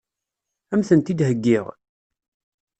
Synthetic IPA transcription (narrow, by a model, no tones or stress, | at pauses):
æmθənt̪id̪ɦəɡːɪʁ